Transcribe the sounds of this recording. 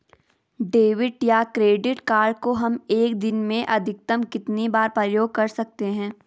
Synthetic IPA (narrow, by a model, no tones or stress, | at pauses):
ɖeːʋɪʈjakɾeːɖɪʈkaːɾɖkoɦɐmeːkd̪ɪnmẽʔɐd̪ʱɪk̚t̪əmkɪt̪nibaːɾpɾəjoːɡ̚kɐɾsɐk̚t̪eɦɛ̃ː